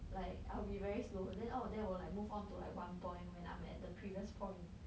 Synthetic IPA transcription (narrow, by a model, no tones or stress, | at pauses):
laɪkaɪlbivɛɹislodɛ̃nodɛwəlaɪk̚muvɔ̃ntulaɪkwãnpʰɔ̃ɪ̃nwɛ̃nã̰ɪ̃mɛ̰t̚dəpʰɹiviəspʰɔ̃ɪ̃n